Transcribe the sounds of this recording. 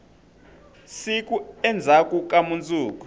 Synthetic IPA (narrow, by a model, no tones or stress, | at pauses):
sik̬ʼuɛnd͡zʱakʼuk̬ʼamunt͡sʼuːku̥